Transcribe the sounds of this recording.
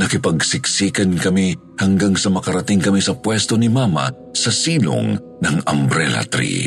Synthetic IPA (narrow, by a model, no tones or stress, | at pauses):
nɐkɪpɐɡsɪksiːkɐnkɐmi | hɐŋɡaŋsɐmɐkɐɾɐt̪ɪŋkɐmisɐpwɛst̪o̞nɪmamɐ̰ | sɐsiːlo̰ŋ | nɐŋɐ̰mbɾɛlɐ̰t̪ɾḭ